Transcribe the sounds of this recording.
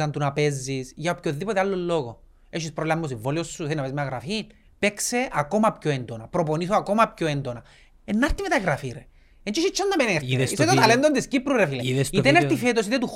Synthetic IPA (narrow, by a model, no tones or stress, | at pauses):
ɐnt̪unapezːisʝɐopçoðːipot̪ealːolːoɣo | eʃispɾolamːos̬iɱvoliosːuθeinɐpezmeaɣɾafin | pekseʔako̞mapçoend̪onɐpɾoponiθoakomapçoend̪onɐ | enːaɾt̪imet̪aɣɾafiɾe | ent͡ʃiʃit͡ʃːɐnːɐpeneɾesiset̪ot̪ɐlend̪ond̪iscipɾuɾefiliðestit̪eneɾifet̪osit̪et̪u